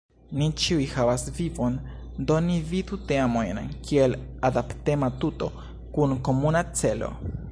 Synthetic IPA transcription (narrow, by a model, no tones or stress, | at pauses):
nit͡ʃiujhavasvivo̞n | do̞nividuteamo̞jnkʰiel | adapte̞matuto̞̰ | kunko̞munat͡se̞lo̞̰